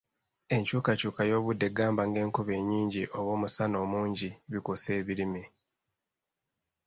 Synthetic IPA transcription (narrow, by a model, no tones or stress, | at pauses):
e̞ɲt͡ʃuːkacuːkajo̞ːβudːe̞ɡaːmbaŋɡe̞ːŋkuβe̞ːɲiːɲɟiʔo̞βo̞ːmusano̞ːmuːɲɟiβikose̞ːβiɾimi